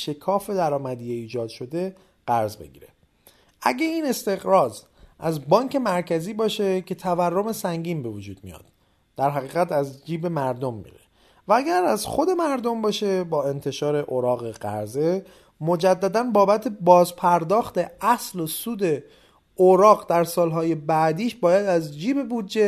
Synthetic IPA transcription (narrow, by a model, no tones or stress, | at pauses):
ʃe̞kʰɒːfe̞d̪æɾɒːmæd̪ijeiːd͡ʒɒːd̪̥ʃo̞d̪e̞ | ɢ̥æɾzbe̞̰ɟḭːɾe̞̰ | ʔæ̰ɟe̞iːne̞st̪e̞ɣɾɒːz | ʔæzbɒːŋcʰe̞mæɾcʰæziːbɒːʃe̞cʰe̞t̪ʰæværːome̞sæŋɟiːmbe̞vod͡ʒuːd̪̥̚mḭjɒ̰d̪̥ | d̪̥æɾɦæɣiːɣæt̪ʰæzd͡ʒiːbe̞mæɾd̪o̞mːḭɾḛ | vææɡæɾæzxo̞d̪e̞mæɾd̪ombɒːʃe̞bɒːe̞nt̪ʰe̞ʃɒːɾe̞ʔoɾɒːɣeɢæ̰ɾze̞ | mo̞d͡ʒæd̪ːæd̪ænbɒːbæt̪ʰe̞bɒːzpʰæɾd̪ɒːxt̪e̞æslosuːd̪e̞ | oɾɒːɣd̪æɾsɒːlɦɒːje̞bæʔd̪iːʃbɒːjæd̪æzd͡ʒiːbe̞bud̪d͡ʒe̞